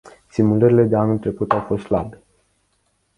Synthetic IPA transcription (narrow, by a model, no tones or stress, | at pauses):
simuləɾile̞d̪e̞anult̪ɾe̞kut̪awfo̞st̪sla̰be